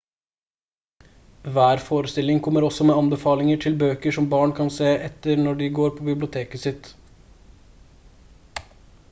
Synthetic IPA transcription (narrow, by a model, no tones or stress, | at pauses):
ʋæːɾfoːɾəst̪ɪlɪŋkʰɔmːəɾɔsɔmeːɑnbəfɑːlɪŋəʈʰɪlbøːkəʂɔmbɑːɳkʰɑnseːʔɛt̪ːəɾɳnɔɖɪɡoːɾpʰɔbɪblɪʊt̪ʰeːkəsɪt̪